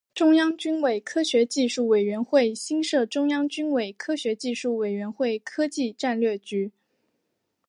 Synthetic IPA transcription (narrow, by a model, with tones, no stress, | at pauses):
ʈ͡ʂʊ˥ŋjɑ˥ŋt͡ɕy˥nwe˨˩ɪkʰɤ˥ɕɥɛ˧˥t͡ɕi˥˧ʂu˥˩we˨˩ɪɥɛ˧˥nxwe˥˩ɪɕi˥nʂɤ˥˩ʈ͡ʂʊ˥ŋjɑ˥ŋt͡ɕy˥nwe˨˩ɪkʰɤ˥ɕɥɛ˧˥t͡ɕi˥˧ʂu˥˩we˨˩ɪɥɛ˧˥nxwe˥˩ɪkʰɤ˥t͡ɕi˥˧ʈ͡ʂa˥˧nlɥɛ˥˩t͡ɕy˧˥